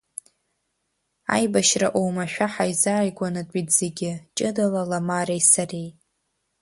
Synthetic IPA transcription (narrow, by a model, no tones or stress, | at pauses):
a̰jbaʃraʔowmaʃᶣaħajzaːjɡʷanatʼitz̥eɡʲɪt͡ʃʼɨdalalamarejsarejʼ